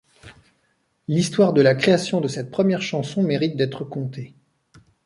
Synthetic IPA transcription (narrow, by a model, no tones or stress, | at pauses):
list̪waʁd̪əlakχeasjɔ̃d̪əsɛt̪̚pχəmjɛʁʃɑ̃sɔ̃meʁit̪̚d̪ɛt̪χəkɔ̃t̪e